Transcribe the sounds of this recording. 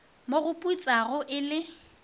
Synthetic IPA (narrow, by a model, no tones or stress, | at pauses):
moɣʊpʼut͡sʼaɣʊʔɪlɪ